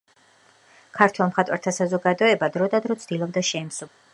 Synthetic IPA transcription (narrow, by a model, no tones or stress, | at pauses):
kʰaɾt̪ʰɛlˠmχat̪ʼwaɾt̪ʰasazɔɡad̪ɔɛbad̪ɾɔd̪ad̪ɾɔt̪sʰd̪̥ilˠɔb̚d̪aʃɛimsu